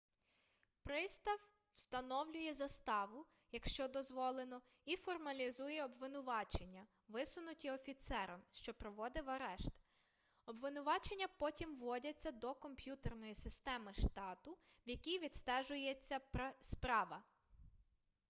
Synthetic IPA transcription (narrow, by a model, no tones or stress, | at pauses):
pɾɪst̪ɐw | w̥st̪ɐnɔwlʲʊjɛzɐst̪ɑʋʊ | jɐkʃt͡ʃɔd̪ɔzʋɔlˠenɔ | ifɔrmɐlʲizujɛɔbʋɪnʊʋɑt͡ʃe̞nʲːɐ | ʋɪsʊnʊtʲiɔfʲit̪sɛɾɔmʃt͡ʃɔpɾɔʋɔd̪ɪwɐɾɛʃt̪ | ɔbʋɪnʊʋɑt͡ʃenʲːɐpɔtʲimʋːɔdʲɐt͡sʲːɐd̪ɔkɔmpʲjut̪ernɔjisɪst̪ɛmɪʃt̪ɑt̪ʊwjɐkʲijʋʲid̪st̪ɛʒʊjet͡sʲːɐspɾɑʋɐ